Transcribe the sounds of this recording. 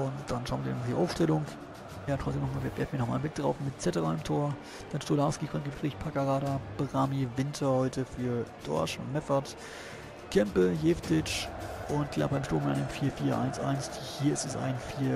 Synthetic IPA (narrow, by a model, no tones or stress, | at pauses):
ʔʊntd̥anʃaʊnviɐnmd̥ḭʔaʊfʃtɛlʊŋ | jaːtʰʁ̥ɔt͡sd̥eːnɔχmaːlviɐvɛɐfn̩iɐnɔχmaːlmɪk̚d̥ʁaʊfmɪtt͡sɛtəʁaɪmtʰoːɐ | d̥anʃtolaːskiɡʁɔntɡəʃpʁ̥ɛçpʰakaʁaːɾab̥ʁaːmivɪntʰɐhɔʏtəfyːɐd̥ɔ̰ɐʃmɛfɐt | kʰɛmpəɦeːftʰɪt͡ʃʔʊnt̚ɡ̥la̰ːb̥aɪmʃtoːmɪtʔaɪnəmfiːɐfiːɐʔa̰ɪnsʔa̰ɪnsd̥ihiːɐɪstɛsʔa̰ɪnfiːɐ